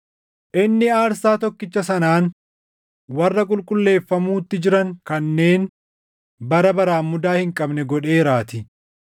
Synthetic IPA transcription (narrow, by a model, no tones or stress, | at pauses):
ʔɪnːɪaːɾsaːt̪ɔkːɪt͡ʃːɐsɐnaːn | wɐrːɐkʼʊlkʼʊlːe̞ːfːɐmuːt̪ːɪd͡ʒɪɾɐŋkɐnːe̞ːn | bɐɾɐbɐɾaːmːʊd̪aːhɪŋkʼɐbnɛɡɔᶑe̞ːɾaːt̪ɪ